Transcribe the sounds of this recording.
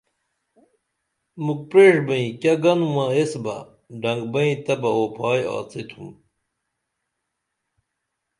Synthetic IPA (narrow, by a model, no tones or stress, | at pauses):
muk̚pɾeːʂbɐĩkʲɐɡɐnuwãesbɐ̰ | ɖɐŋɡbɐĩt̪ɐbɐoːpʰaːja̰ːt͡set̪ʰum